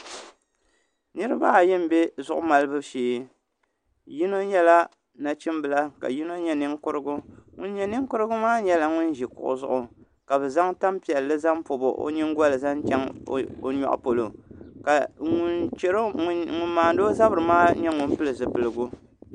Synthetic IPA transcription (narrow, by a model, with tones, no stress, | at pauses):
nɨ˦ɾɨ˦ba˦˨jɪ˦m˦be˦zʊ˦ʔʊ˦ma˨lɨ˦bɨ˦ʃeː˦ | ji˦no˦ɲɛ˦la˦ | na˨t͡ʃi˦mbɨ˨la˦ka̰˨ji˦no˦ɲɛ˦nɨ˦ŋkʊ˦ɾɨ˦ɡʊ˦ŋʊ˦n˦ɲɛ˦nɨ˦ŋkʊ˦ɾɨ˦ɡʊ˦maː˦ɲɛ˦la˨ŋʊ˦n˦ʒi˨kʊ̰˨ʔʊ̰˨zʊ˦˨ʔʊ˨ | ka˨bɨ˨za˦ŋta˦mpi˨ɛ˨lːɨ˦za˦mpo˨bo̰˨ʔo̰˦ɲɪ˦ŋ˦ɡwa˦lɨ˨za˦nt͡ʃɛ˦ŋ˦o˨ɲɔ̰˨ʔpo˨lo˨ka˨ŋʊ˨nt͡ʃɛ˦ɾo˦ŋʊ˨nmaː˨n˦doː˦za˦bɨ˨ɾɨ˨maː˦ɲɛ˦ŋʊ˨npɨ˦lɨ˨zɨ˨pɨ˨lɨ˨ɡʊ˦